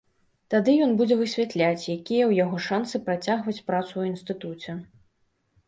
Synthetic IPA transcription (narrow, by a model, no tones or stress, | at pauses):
t̪ad̪ɨjɔnbud͡zʲɛvɨsʲvʲat̪lʲat͡sʲjakʲijɛwjaɣɔʂansɨpɾat͡sʲaɣvɐt͡sʲpɾat̪suwinst̪ɨt̪ut͡sʲɛ